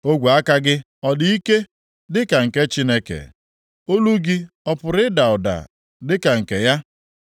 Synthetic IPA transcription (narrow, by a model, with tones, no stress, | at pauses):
o˦ɡʷu˨a˦ka˦ɡɪ˦ | ɔ˨dɪ˦i˦ke˦ | dɪ˦ka˨ŋ̩˨ke˦t͡ʃi˦ne˦kḛ˨ | o˦lu˦ɡi˦ | ɔ˦pʊ˨ɾɪ˦da˨ʊ˨da̰˨ | dɪ˦ka˨ŋ̩˨ke˨ja˦